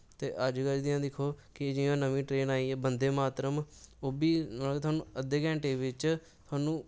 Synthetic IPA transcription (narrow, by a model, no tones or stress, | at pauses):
t̪eːʔəd͡ʒkəɾd̪ɪjãːd̪ɪkʰoːkɪd͡ʒɪjãːnəʋĩːʈɾeːnaːiːeːbənd̪eːmaːt̪ɾəmoːbiːnaːeːt̪ʰwaːnũːəd̪eːkɛ̃ːɳʈeːʋɪt͡ʃ | t̪ʰoaːnũː